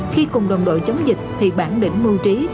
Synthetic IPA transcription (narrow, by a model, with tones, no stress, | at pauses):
xi˧kʊ˨˩ŋ͡mɗə˨wŋ͡mɗo̰˧˨jt͡ɕə˨˦wŋ͡mzï˨˩k̟̚t̪ʰi˨˩ɓaː˧˩nɗḭ˧˩ŋ̟mu˧wt͡ɕi˨˦